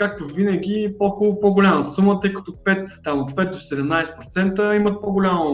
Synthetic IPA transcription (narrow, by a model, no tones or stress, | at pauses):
kak̚t̪ovinəɡʲipoxɔlˠʊpɔɡʊlʲaməsumət̪ɤjkɐ̥t̪opɛt̪t̪amot̪̚pɛt̪̚d̪osɛd̪ɛmnajsɛ̥pɾot̪sɛnt̪əimət̪̚pɔɡʊlʲamo